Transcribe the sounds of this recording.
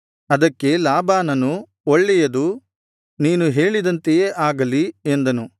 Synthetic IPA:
ɐd̪ɐkːe̞laːbaːnɐnu | oɭːɛjɐd̪u | niːnuɦe̞ːɭid̪ɐnt̪ejeːʔaːɡɐliend̪ɐnu

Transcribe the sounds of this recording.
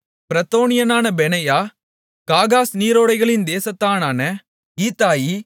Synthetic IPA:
pɪɾɐt̪ːoːnɪjɐnaːnɐbɛnɐjaː | kaːɣaːsniːɾoːɽɐɪɣɐɭɪnd̪eːsɐt̪ːaːnaːnɐ | iːt̪ːaːji

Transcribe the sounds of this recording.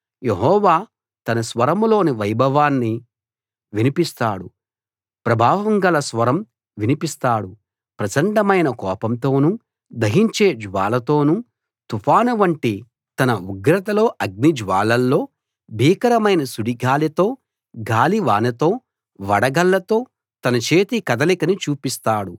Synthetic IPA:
jeɦɔːʋaː | t̪ɐnɐsʋɐɾɐmlo̞ːniʋɐjbʱɐʋaːnːi | ʋinipist̪aːɽu | pɾɐbʱaːʋɐŋɡɐlɐsʋɐɾɐm | ʋinipist̪aːɽu | pɾɐt͡ʃɐɳɖɐmɐjnɐkɔːpɐmt̪o̞ːnu | d̪ɐɦiɲt͡ʃe̞ːd͡ʒʋaːlɐt̪o̞ːnu | t̪ufaːnuʋɐɳʈi | t̪ɐnɐuɡɾɐt̪ɐlo̞ːʔɐɡ̚nid͡ʒʋaːlɐlːo̞ː | bʱiːkɐɾɐmɐjnɐsuɽiɡaːlit̪o̞ː | ɡaːliʋaːnɐt̪o̞ː | ʋɐɽɐɡɐlːɐt̪o̞ː | t̪ɐnɐt͡ʃeːt̪ikɐd̪ɐlikɐnit͡ʃuːpist̪aːɽu

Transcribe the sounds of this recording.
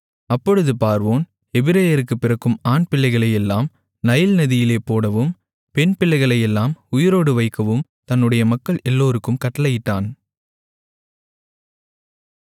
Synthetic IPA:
ɐpːɔɻɯðɯpaːɾʋoːn | ɛbɪɾɐjɐɾɯkːɯpːɪɾɐkːɯmaːnpɪlːɐɪɣɐɭɐjɛlːaːm | nɐjɪlnɐðɪjɪleːpoːɽɐʋɯm | pɛnpɪlːɐɪɣɐɭɐjɛlːaːmʊjɪɾoːɽɯʋɐɪkːɐʋɯmt̪ɐnːɯɽɐjɐmɐkːɐɭɛlːoːɾɯkːɯmkɐʈːɐlɐjɪʈːaːn

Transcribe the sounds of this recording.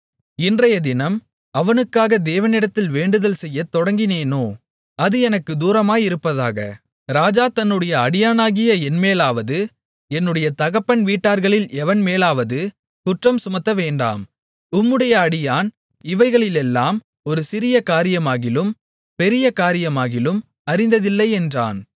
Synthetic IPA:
ɪndrɐjɐd̪ɪnɐm | ɐʋɐnɯkːaːɣɐd̪eːʋɐnɪɽɐt̪ːɪlʋeːɳɖɯðɐlsɛjːɐt̪ːɔɽɐŋɡɪneːnoː | ɐðɯɛnɐkːɯd̪uːɾɐmaːjɪɾɯpːɐða̰ːɣɐ̰ | ɾaːd͡ʒaːt̪ɐnːɯɽɐjɐɐɽɪjaːnaːɣɪjɐɛnmeːlaːʋɐðɯ | ɛnːɯɽɐjɐt̪ɐɣɐpːɐɳʋiːʈːaːɾɣɐɭɪlɛʋɐnmeːlaːʋɐðɯ | kʊʈrɐmsʊmɐt̪ːɐʋeːɳɖa̰ːm | ʊmːɯɽɐjɐɐɽɪjaːn | ɪʋɐɪɣɐɭɪlɛlːaːm | ɔɾɯsɪɾɪjɐkaːɾɪjɐmaːɣɪlɯm | pɛɾɪjɐkaːɾɪjɐmaːɣɪlɯm | ɐɾɪnd̪ɐðɪlːɐɪɛndra̰ːn

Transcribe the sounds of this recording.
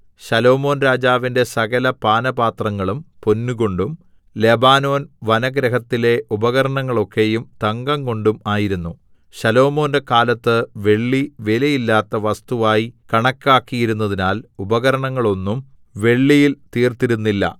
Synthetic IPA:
ɕɐlo̞ːmo̞ːnɾaːd͡ʑaːʋinde̞sɐɣɐlɐpaːnɐbaːt̪rɐŋːɐɭumpo̞nːuɣo̞ɳɖum | le̞baːno̞ːnʋɐnɐɡɾɐɦɐt̪ːile̞ʔubɐɣɐɾɐɳɐŋːɐɭo̞kːe̞jumt̪ɐŋɡɐŋko̞ɳɖumaːjiɾunːu | ɕɐlo̞ːmo̞ːndekaːlɐt̪ːɨʋe̞ɭːiʋelɐjilːaːt̪ːɐʋɐst̪uʋaːjikɐɳɐkːaːkːijiɾunːɐðinaːlubɐɣɐɾɐɳɐŋːɐɭo̞nːum | ʋe̞ɭːijilt̪iːrt̪iɾunːilːɐ̰

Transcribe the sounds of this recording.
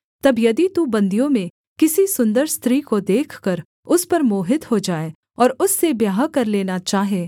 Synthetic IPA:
t̪ɐbjɐd̪it̪ubɐ̃nd̪ijõmẽ | kɪsisʊ̃nd̪əɾst̪ɾiːkod̪eːkʰkɐɾ | ʊspɐɾmoːɦɪt̪hod͡ʒaːe | ɔːɾʊsːebjaːɦkɐɾleːnat͡ʃaːɦeː

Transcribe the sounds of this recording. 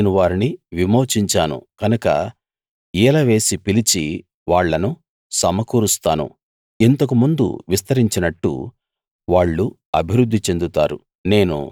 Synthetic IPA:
nuʋaːɾiniʋimo̞ːt͡ʃiɲt͡ʃaːnṵkɐnukɐ̰ | iːlɐʋe̞ːsipilit͡ʃi | ʋaːɭːɐnu | sɐmɐkuːɾust̪aːnṵ | int̪ɐkumund̪ṵʋist̪ɐɾiɲt͡ʃinɐʈːṵ | ʋaːɭːu | ɐbʱiɾud̪ʱːit͡ʃe̞nd̪ut̪a̰ːɾṵ | ne̞ːnṵ

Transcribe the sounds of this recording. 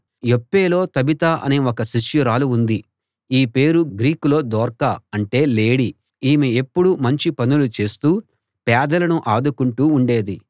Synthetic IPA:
jopːeːlo̞ːt̪ɐbit̪aːʔɐ̰neɔkɐsiʃjuɾaːluːnd̪i | iːpe̞ːɾuɡɾiːkulo̞ːd̪ɔːɾkaɐɳʈe̞ːle̞ːɽi | iːmiepːuɽumɐɲt͡ʃipɐnulut͡ʃe̞ːst̪uː | pɛːd̪ɐlɐnuʔaːd̪ukuɳʈuːɳɖe̞ːd̪i

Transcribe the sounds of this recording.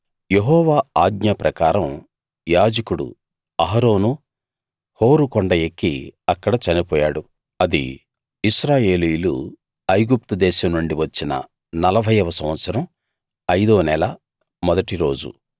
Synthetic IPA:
jeɦɔːʋaːaːɡɲɐpɾʔɐkaːɾɐm | jaːd͡ʒɐkuɽṵ | ɐɦɐɾo̞ːnu | ho̞ːɾukɔɳɖɐjekːiɐkːɐɽɐt͡ʃɐnipɔːjaːɽu | ɐd̪ḭː | ʃɾaːje̞ːlijlu | ɐjɡup̚t̪ud̪ɛːʃɐmnuɳɖiʋɐt͡ʃːinɐ̰ | nɐlɐbʱɐjɐʋɐsɐmʋɐt̪sɐɾɐm | ɐjd̪oːnɛlɐ | mɔd̪ɐʈiɾo̞ːd͡ʒṵ

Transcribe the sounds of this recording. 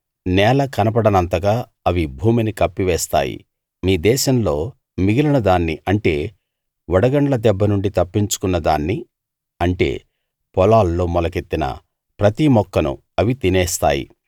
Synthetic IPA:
nɛːlɐkɐnɐp̬ɐɽɐnɐnt̪ɐɡaː | ɐʋibʱuːminikɐpːiʋɛːst̪a̰ːjḭ | miːd̪ɛːʃɐmlo̞ː | miɡilɐnɐd̪aːnːiʔɐɳʈe̞ː | ʋɔɽɐɡɐɳʈlɐd̪ɛbːɐnuɳɖit̪ɐpːiɲt͡ʃu̥kunːɐd̪a̰ːnːi | ɐɳʈe̞̰ː | pɔlaːlːo̞ːmɔlɐket̪ːinɐ̰ | pɾɐt̪imɔkːɐnṵ | ɐʋit̪inɛːst̪a̰ːjḭ

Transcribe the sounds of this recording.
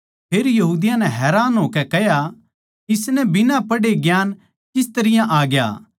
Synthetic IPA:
pʰeːɾjɐɦuːd̪ɪjãnɛ̃ɦɛːɾaːnɦoːkɛkɛɦja | ɪsnɛbɪnãpɐɽeɡjaːn | kɪst̪ɐɾɪjãʔaːɡja̰ː

